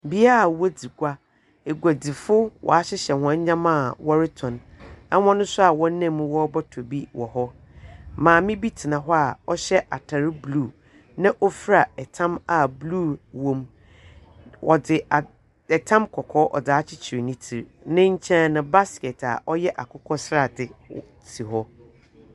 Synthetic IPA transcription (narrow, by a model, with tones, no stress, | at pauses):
bi˦a˦a˨wo˦di˨ɡʷa˦ | e˨ɡʷa˨di˨fʊ˦wʔɔ̰˨a˨ɕɪ˦ɕɛ˨hã˨˦ɲ˦ɲã˦mã˦˨wɔ˦ɾɪ˦tʰɔ̃˨nɛ˦hɔ̃˦nʊ̃˦sʊ˦a˨wɔ̃˦nã˦˨˦m˨˦wɔ˦bɔ˦tʰo˨bi˦wɔ̰˨hɔ˦ | mãː˨mɪ̃˦bi˦tʰɪ˨nã˨ɦɔ˦a˨ɔ˦ɕɛ˦ʔa˨tʰa˨ɾɪ˦bluː˦˨ | nã˦ʔɔ˦fɾa˨ɛ˨tʰã˦ma˨bluː˦wõ˨m | wɔ˨dɪ˨a˨ | ɛ˨tʰã˦mkʰɔ˨kʰɔ˦ʔɔ̰˨daː˨˦t͡ɕʰɪ˦t͡ɕʰɪ˨ɾi˨nɪ̃˦tʰi˨ɾnɪ̃˦ɲ̩˦t͡ɕʰɛ̃˦nã˨ba˦skɛ˨tʰa̰˨ʔɔ˦jɛ˦ʔa˨kʰʊ˦kʰɔ˦sɾa˨dɪ˨ | tʰi˨ɦɔ˦